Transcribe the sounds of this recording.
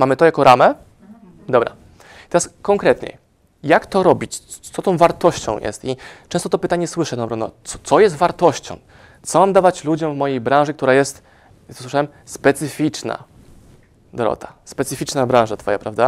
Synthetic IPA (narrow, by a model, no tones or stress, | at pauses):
mamɘt̪ɔjakɔɾʔamɛ | d̪ɔbɾa̰ | it̪ɛɾaskɔŋkɾɛt̪ɲɛ̰ | jakt̪ɔɾɔbʲit͡ɕt̪sɔt̪ɔ̃w̃vaɾt̪ɔɕt͡ɕɔ̰̃w̃jʔɛ̰st̪it͡ʂɛ̃st̪ɔt̪ɔpɘt̪aɲɛswɘʂɛd̪ɔbɾɔnɔ̰ɔ̥t̪sɔjɛst̪vaɾt̪ɔɕt͡ɕɔ̰̃w̃ | t̪sɔmamd̪avat͡ɕlud͡ʑɔ̃w̃vmɔjejbɾãʐɘkt̪uɾajɛst̪ | swɘʂawɛm | spɛt̪sɘfʲit͡ʂna̰ | d̪ɔɾɔ̰t̪ʰaspɛt̪sɘfʲit͡ʂnabɾãʐat̪fɔja̰pɾavd̪a